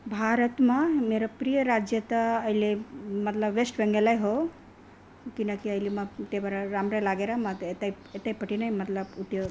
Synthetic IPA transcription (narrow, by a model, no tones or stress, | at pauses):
bʱaːɾət̪mameɾapɾijəɾad͡ʒjət̪aːjlemɐt̪ləbʋesʈʋẽŋɡelajɦo | kinakiəjlimat̪ebaɾaɾaːmɾajlaɡeɾamat̪et̪ai | et̪aipɐʈinajmɐt̪ləbuʈ̪jə